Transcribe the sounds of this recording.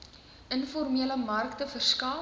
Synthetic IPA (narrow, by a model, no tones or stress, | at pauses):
ənfɔrmiələmɐrktəfərskɑː